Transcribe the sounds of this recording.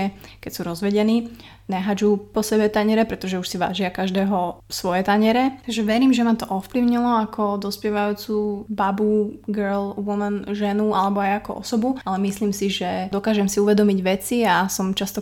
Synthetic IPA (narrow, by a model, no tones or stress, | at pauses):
ɛkɛcsuɾɔzʋɛɟɛniː | naɦad͡ʒupɔsɛbɛt̪aɲɛɾɛpɾɛt̪ɔʒɛuʃsiʋa̰ːʒɪakaʒd̪ɛːɦɔsʋɔjɛt̪aɲɛɾɛt̪aɡʒɛʋɛɾiːmʒɛmat̪ɔʔɔfpliʊɲilɔakʰɔd̪ɔspɪɛʋajuːt͡suːbabuɡɛɾlʋumɛnʒɛnualɛbɔajakɔ̰ʔɔ̰sɔbuʔalɛmisliːmsiʒɛd̪ɔkaːʒɛmsiuʋɛd̪ɔmiɟʋɛt͡siasɔmt͡ʃast̪ɔ